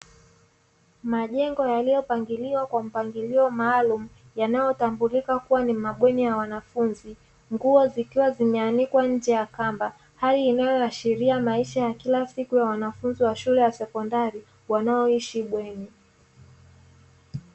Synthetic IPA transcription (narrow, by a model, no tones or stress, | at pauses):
maʄɛŋɡɔjalijɔpaŋɡiliwakwam̩paŋɡiliɔmaːlumu | janajɔtambulikakuwanimaɓwɛnijawanafunzi | ŋɡuɔzikiwazimɛanikwaɲ̩d͡ʒɛjakamba | haliːnajɔaʃiɾiamaiʃajakilasikujawanafunziwaʃulɛjasɛkɔndaɾi | wanaɔiʃiɓwɛni